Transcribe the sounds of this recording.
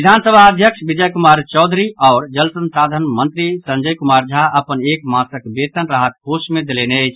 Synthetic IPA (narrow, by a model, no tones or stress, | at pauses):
id̪ʱansəbʱaəd̪ʱjəkʂbid͡ʒəjkumaɾt͡ʃɔʊd̪ʱɾiɔːɾd͡ʒəlsənsɾad̪ʱənmənt̪ɾisə̃nd͡ʒəjkumaɾd͡ʒʱaəpənekmasəkbet̪ənɾaɦət̪̚kosmẽd̪elenəɪt͡ʃʰ